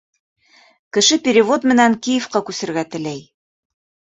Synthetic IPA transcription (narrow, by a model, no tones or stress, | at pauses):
kɘ̆ʃɘpʲɪɾʲɪvot̪mɘ̆næŋkijɘfqɑkʉsɘ̆ɾɡæt̪ɘ̆læj